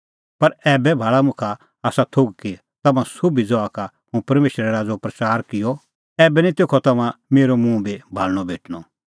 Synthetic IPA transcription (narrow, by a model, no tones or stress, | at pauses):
pɐɾɛːbɛbʱaːɭamʊkʰa | aːsat̪ʰoɡki | t̪ɐmãsʊbʱid͡zɔaka | ɦũpɐɾmeːʃɾɛɾaːd͡zopɾɐt͡saːɾkɪjɔ | ɛːbɛnit̪eːkʰɔt̪ɐmãmeːɾomũbʱibʱaːlɽ̃ɔbʱeːʈɽ̃ɔ